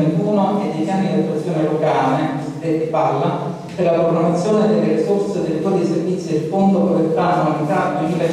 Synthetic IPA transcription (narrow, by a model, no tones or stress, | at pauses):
ent̪uːnoejd̪jet̪janːid̪at̪ːuat̪sːjoːnelokaːle | epalːa | d̪elapɾoɡɾamːat̪sːjoːned̪elːeɾisorsed̪elt̪wɔːɾd̪iservit̪sːjid̪efond̪oʔolet̪ːɾaːnomanit̪aːt̪onle